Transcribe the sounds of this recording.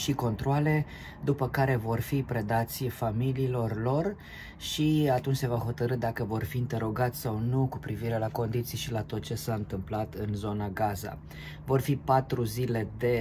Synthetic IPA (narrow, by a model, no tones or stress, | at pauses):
ʃiko̞nt̪ɾoale̞ | d̪upəkaɾe̞vo̞rfipɾe̞d̪at̪sʲfamiliːlo̞rlo̞r | ʃiat̪unt͡ʃse̞vaɦo̞t̪əɾɨd̪akəvo̞rfiːnt̪e̞ɾo̞ɡat̪sʲsawnukupɾiviɾe̞lako̞nd̪it̪sijʃilat̪o̞t̪̚t͡ʃe̞saɨnt̪ɨmplat̪ɨnzo̞naɡaza̰ | vo̞rfipat̪ɾuzile̞d̪e̞